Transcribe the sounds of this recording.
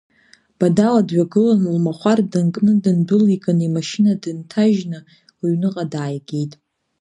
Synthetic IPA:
b̥adaladɥaɡɨlanlmaχʷardɨnkʼnɨdɨnbɨlikʼɨnimaʃinadɨntʰaʒna | lɥnɨqʼadaːjɡʲejtʼ

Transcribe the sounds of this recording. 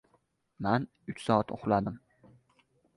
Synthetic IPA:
man | ʊt͡ʃsɒːat̪oχlad̪ɪm

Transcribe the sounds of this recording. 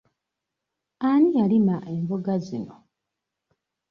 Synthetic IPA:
anijalimaʔe̞mboɡazino̞

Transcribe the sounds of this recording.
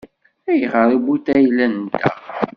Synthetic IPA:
æjəʁəɾibut̪æjlːænt̪æ̰

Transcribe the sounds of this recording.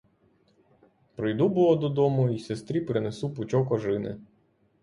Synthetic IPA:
pɾɔjd̪ubʊlˠɔd̪ɔd̪ɔmʊisest̪ɾʲipɾɪnesupʊt͡ʃɔkɔʒɪnɪ̰

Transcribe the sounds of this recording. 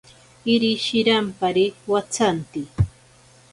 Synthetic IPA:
ɪɾɪʃɪɾampaɾɪwat͡sant̪ɪ

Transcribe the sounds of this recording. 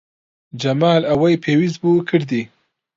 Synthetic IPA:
d͡ʒamɑːlawajpʰewizbukʰəɽd̪i

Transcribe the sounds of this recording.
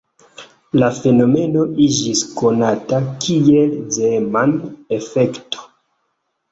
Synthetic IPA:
lafe̞no̞me̞no̞ʔid͡ʒisko̞natakie̞lzemanefe̞kto̥

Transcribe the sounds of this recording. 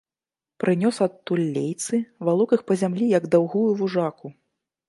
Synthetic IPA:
pɾɨnʲɔsɐt̪ːulʲːejt̪sɨvalˠɔkɨxpɐzʲamlʲijɐɡd̪awɣujuvuʐaku

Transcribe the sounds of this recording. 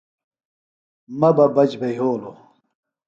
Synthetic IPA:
mɐbɐbɐd͡ʑbejɦoːlo

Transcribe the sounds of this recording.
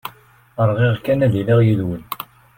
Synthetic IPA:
əɾˤʁɪʁkænæðiliʁjiðwən

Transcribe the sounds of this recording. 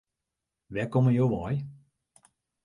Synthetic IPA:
ʋɛkɔməjoʋɔj

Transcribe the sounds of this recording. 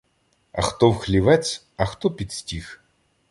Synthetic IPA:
ɐ̰xt̪ɔwxlʲiʋɛt͡sʲ | ɐxt̪ɔpʲit̪ʲsʲtʲix

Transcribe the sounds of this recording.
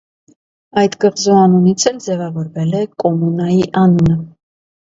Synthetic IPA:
ɑjt̪ɡəʁzuɑnunit͡sʰɛld͡zɛvɑvɔɾvɛlɛkʼɔmunɑjiʔɑnunə

